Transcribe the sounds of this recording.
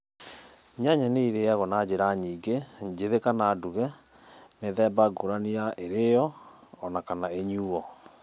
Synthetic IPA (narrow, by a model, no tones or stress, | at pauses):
ɲaɲaneiɾeɛɣɔnad͡ʑeɾaɲiːɡeɲd͡ʒeðekanaːduɣɛ | meðɛbaɡoɾaniaʔeɾejɔːnakanaeɲuːɔ